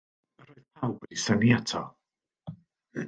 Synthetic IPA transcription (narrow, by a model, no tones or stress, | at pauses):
əɾoɨðpʰawbədisəniatʰɔ̰